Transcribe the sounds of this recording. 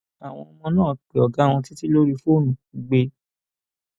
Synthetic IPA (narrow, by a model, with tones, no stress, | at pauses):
a˨w̃ɔ̃˧ɔ˧mɔ̃˧nãː˦˨k͡pe˨ɔ˨ɡa˨˦˨w̃ɔ̃˧ti˦ti˦lo˦ɾi˧fo˦˨nũ˨i˨˦ɡ͡be˧